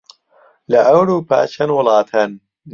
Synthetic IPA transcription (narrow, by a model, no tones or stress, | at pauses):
lɐʔɐwɾuːpʰa̰ːt͡ʃʰɐnwʊlɑːt̪ʰɐnː